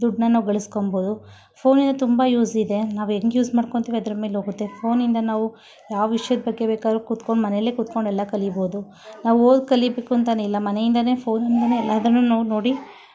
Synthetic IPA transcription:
d̪uɖnɐnaːʋuɡɐɭiskomboːd̪u | pʰo̞ːnind̪ɐt̪umbɐjuːzid̪e̞naːʋueŋɡjuːsmaːɽkoɳt̪iːʋiɐd̪ɐɾɐmeːlɦoːɡut̪ːe̞pʰo̞ːnind̪ɐnaːʋu | jaːʋʋiʂɐjɐd̪bɐɡːe̞beːkaːd̪ɾukut̪koɳɖmɐnejlːeːkut̪̚ko̞ɳɖɛlːɐkɐliboːd̪u | naːʋuoːd̪kɐlibe̞ːkuɐnt̪ɐneilːɐmɐne̞jind̪ɐne̞ːpʰo̞ːnɐnd̪ɐnelːɐɐd̪ɾɐnːunaːʋuno̞ːɽi

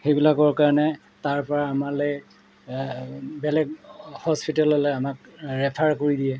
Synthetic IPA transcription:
xejbilakɔɹkaɹɔnɛ | taɹpɔɹaːmalɛj | bɛlɛɡhɔspitalɔlɔamakɹɛpʰaɹkoɹidijɛ

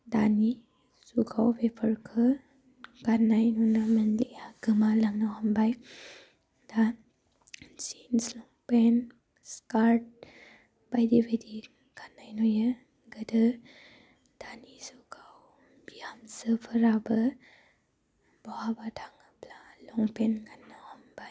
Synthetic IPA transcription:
dani | suɡawbepʰəɾkʰɯ | ɡanajnɔnamənliaɡɯmalaŋnawhambaj | da | sinslɔŋpen | skaɾt̚ | b̥ajdibajdi | ɡ̥anːajnɔjə | ɡədə | d̥anizɔkʰaw | biamsəpʰəɾabə | b̥ɔhabatʰaŋɯplalɔŋpenɡanːahambaj

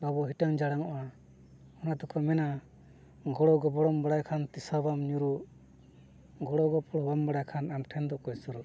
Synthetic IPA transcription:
babɔɦiʈaŋd͡ʒaɽaŋɔʔa | ɔnat̪ɔkʰɔmɛna | ɡɔɽɔɡɔbɔɽɔmbaɽajkʰant̪isɔbamɲuɾuʔ | ɡɔɽɔɡɔpʰɔɽɔbambaɽajkʰanamʈʰɛnd̪ɔʔkɔjsɔɾuʔ

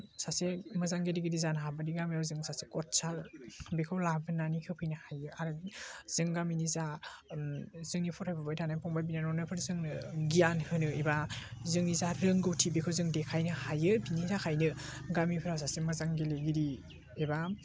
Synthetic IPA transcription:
sasemɯzaŋɡediɡidizanɦabadiɡamejawzɯŋsasekɔt̚salbekʰɯwlabɯnːanikʰɯpʰɯjnɯhajɯaɾɯz̥ɯŋɡaminiza | zɯŋnipʰɔtʰhajbabajtʰanapʰɔŋbajbinanɔnɯpʰɯɾzɯŋnɯɡijanhɯnɯebazɯŋnizaɾɯŋɡɯwtʰibekʰowzɯŋdekʰajnɯhajɯbinizakʰajnɯɡamipʰɯɾawsasemɯzaŋɡeleɡiɾi | eba

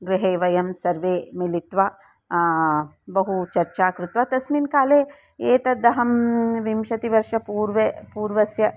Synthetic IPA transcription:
ɡɾɪɦeːʋɐjɐmsɐɾʋeːmilit̪ʋaː | bɐɦut͡ʃɐɾt͡ʃaːkɾut̪ʋɐt̪ɐsmiːnkaːleː | eːt̪ɐd̪ɐɦɐmʋimʃɐt̪iʋɐɾʂɐpuːɾʋepuːɾʋɐsjɐ

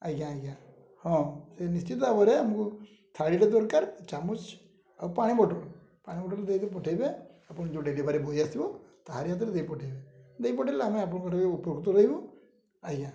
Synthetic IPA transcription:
ajɡãajɡã | hɔ̃senist͡ʃit̪abɔɾeamuku | t̪ʰaɽiʈed̪ɔɾkaɾt͡ʃamut͡ʃ | a̰wpaɽ̃ibɔʈɔl | paɽ̃ibɔʈɔld̪ejt̪ep̬ɔʈʰejbe | apɔɽ̃d͡ʒõɖelibʱaɾebʱojasibɔt̪aɦaɾijat̪̬ɾed̪ejpɔʈʰejbed̪ejpɔʈʰelameap̬ɔɽ̃kɔʈʰakeupjoɡt̪ɔɾəɦibɔ | aɡã

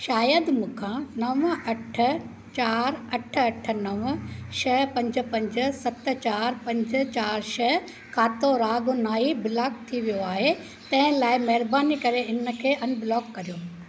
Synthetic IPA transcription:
ʃaːjəd̪mũːkʰãnɐʋɐʈʰə̆ | t͡ɕaːɾɐʈʰə̆ɐʈʰə̆nɐʋəʃɐɦpɐ̃ɲd͡ʑə̆pɐ̃ɲd͡ʑə̆sɐt̪̆t͡ɕaːɾpɐ̃ɲd͡ʑə̆t͡ɕaːɾʃɐɦ | kʰaːt̪oɾaːɡʊnaːibɪlaːk̚t̪ʰiʋijoaːɦe | t̪ɐ̃ɦɪ̃laːɪmɐɦɪɾbaːnikɐɾeɪnə̆kʰeːɐnbɪlɔːkːɐɾijoː

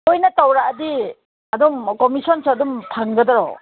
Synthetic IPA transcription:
ojnɐtawɾaːdi | ɐdumkɔmisɔnsaɐdumpʰaŋɡɐdɐɾɔ

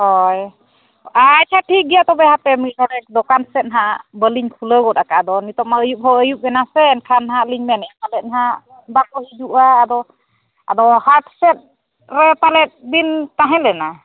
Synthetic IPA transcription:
hɔj | ac̚t͡ʃʰaʈʰik̚ɡijat̪ɔbɛhapɛmic̚nɔɽɛk̚d̪ɔkansɛt̪̚nɦabəliɲkʰuləɡɔt̪akaːd̪ɔnit̪ɔp̚maəjup̚ɦɔəjup̚ɛnasɛːnkʰanɦãliɲmɛnɛapalɛt̪̚naɦa | bakɔhid͡ʒuʔaːd̪ɔ | a̰d̪ɔhaʈsɛt̪̚ | ɾɛpalɛt̪̚bint̪aɦɛ̃lɛna

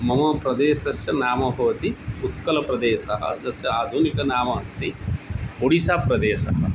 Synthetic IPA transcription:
mɐmɐpɾɐd̪eːʃɐsjɐnaːmɐbʱɐʋɐt̪iut̪kɐlɐpɾɐd̪eːsɐɦɐ̰d̪ɐsjɐaːd̪ʱunikɐnaːmɐːst̪i | oɽisaːpɾɐd̪eːʃɐ̰ɦɐ̰

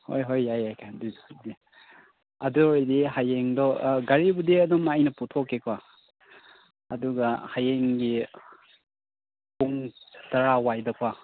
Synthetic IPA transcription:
ho̰jɦojːajajkʰadijdi | ɐdudihajeŋdɔɡaɾibudiɐdɔmːajnɐputʰokːekʰwa | ɐduɡahajeŋɡi | puŋtaɾawajdɐkʰwa

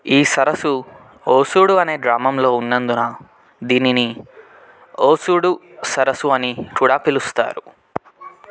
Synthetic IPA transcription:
iːsɐɾɐsu | oːsuːɽuɐne̞ːd̪ɾaːmɐmlo̞ːunːɐnd̪unɐ | d̪iːnini | oːsuːɽu | sɐɾɐsuɐnikuɽaːpilust̪a̰ːɾu

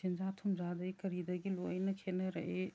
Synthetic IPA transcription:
ind͡ʒatʰumzadɐjkɐɾidɐɡilojnɐkʰenɐɾɐʔe

